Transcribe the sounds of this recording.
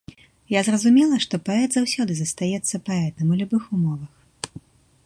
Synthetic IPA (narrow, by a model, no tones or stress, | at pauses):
jazrɐzumʲɛlˠɐʂt̪ɔpaɛt̪zawsʲɔd̪ɨzɐst̪ajɛt̪sːɐpaɛt̪ɐmulʲubɨxumɔvɐx